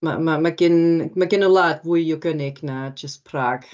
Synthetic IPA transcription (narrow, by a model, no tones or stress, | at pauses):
ma̰mamaɡɪnmaɡɪnɔlˠaːdvʊɨɔɡənɪɡnad͡ʒəstpʰraːɡ̥